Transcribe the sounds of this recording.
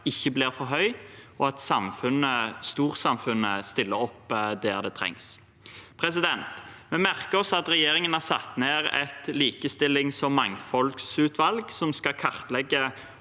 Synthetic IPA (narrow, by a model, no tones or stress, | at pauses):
ɪçːəbliːʁfɔɾɦœʏɔɑt̪sɑmfʉnəst̪uːʁsɑmfʉnəst̪ɪlːəɾɔpːd̪æːʁd̪ɛːt̪ʰɾɛ̰ŋs | pʰɾɛs̬ɪd̪ɛnt̪mɛmæʁkəɔsɑt̪ʁɛjeːɾɪŋənæʁsɑ̰t̪ːneːʁɛ̰t̪liːkəst̪ɪlːɪŋsɔmːɑŋfɔlksʉːt̪ʰʋɑlɡsɔmskɑkʰɑʁt̪lɛɡːə